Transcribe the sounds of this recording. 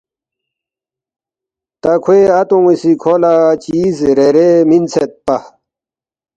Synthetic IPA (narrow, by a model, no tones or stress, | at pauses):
t̪akʰweat̪ũisikʰolat͡ɕiːzɾeɾemint͡sʰet̪̚pa